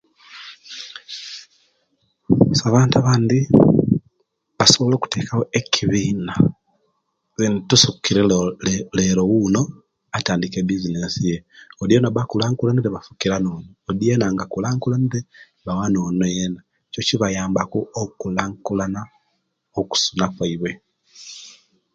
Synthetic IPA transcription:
saβaːntuaβaːndi | βaso̞βo̞lo̞ːku̥teːkawoecʰiβiːna | zintusukːiɾele̞ɾo̞wuno̞ | ataːndikebizinesije̞odienaβakulaːŋkulaniɾeβafu̥kiɾanoːnoːdienaŋɡakulaːŋkulanite | βawano̞ːnojena | cociβajaːmbakuokulaːŋkulana | oku̥sunakwaiβwe̞

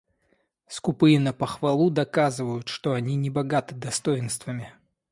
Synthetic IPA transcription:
skʊpɨɪnəpəxvɐlˠud̪ɐkazɨvəjʊt̪ʂt̪oɐnʲinʲɪbɐɡat̪ɨd̪ɐst̪ojɪnst̪vəmʲɪ

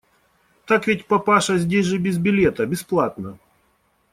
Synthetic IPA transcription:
t̪akvʲɪt̚ʲpɐpaʂɐzʲdʲesʲʐɨbʲɪzbʲɪlʲet̪əbʲɪsplˠat̪nə

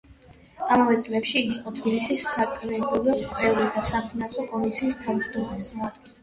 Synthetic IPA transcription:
amavɛt̪sʼlɛpʃiːɡiqʼɔt̪ʰbilisisːakʼlɛɡɔlɛst̪sʼɛvɾid̪asapʰnasɔkʼɔmisiːst̪ʰavd͡ʒd̪ɔmasmat̪ʼ

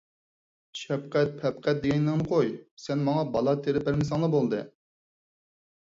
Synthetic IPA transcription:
ʃɛp̚qɛt̪̚pʰɛp̚qʰɛt̪̚d̪eɡʲɛnd̪ɨŋmɨqʰojsɛnmɑŋɑbɑlˠɑt̪ʰeɾɪpæɾmɪsɑŋlˠɑbolˠd̪ɨ̰

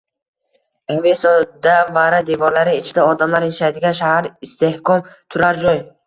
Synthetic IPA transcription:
evesɒd̪avaɾad̪evɒɾlaɾɪːt͡ʃʰɪd̪aɔd̪amlaɾjeʃajd̪ɪɡʲanʃahaɾist̪ʰe̞hkʰɒmt̪ʰʊɾaɾd͡ʒɒj

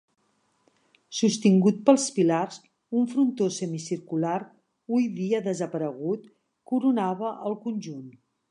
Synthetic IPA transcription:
sust̪iŋɡut̪̚pəlˠspilarz | uɱfɾunt̪osəmisiɾkulaɾ | ujðiəðəzəpəɾəɣ̞ut̪ | kuɾunaβəʔəlˠkunʲʒun

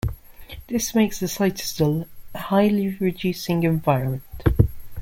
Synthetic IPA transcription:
ðɪsmeɪksəsaɪtɪ̥stəlˠhaɪliɹɪdʉˑsɪ̃ŋɨ̃ɱvaɪɹə̃nmə̃nt

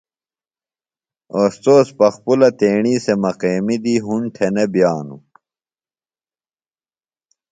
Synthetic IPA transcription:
oːst̪oːspɐxpulɐt̪eːɳiːsemɐqeːmid̪iɦuɳʈʰenebjaːnu

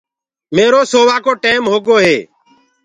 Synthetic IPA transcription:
meːɾoːsoːʋaːkoːʈeːmɦoːɡoːɦeː

